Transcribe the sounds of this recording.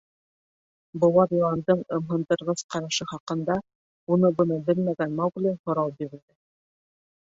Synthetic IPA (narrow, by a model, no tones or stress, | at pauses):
bŏlˠɑɾjolɑnd̪ɤɴɤ̆mɦɤ̆nd̪ɤ̆ɾʁɤsqɑɾɑʃɤχɑqɤ̆nd̪ɑ | unɤbɤ̆nɤbɘlmæɡænmɑwɡlɘhŏɾɑlˠbiɾɘ̆ɾd̪ɘ